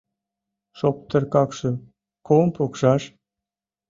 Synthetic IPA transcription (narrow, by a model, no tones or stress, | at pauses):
ʃop̚t̪ə̆ɾkɑkʃɤ̆ | kompʰokʃɑʃ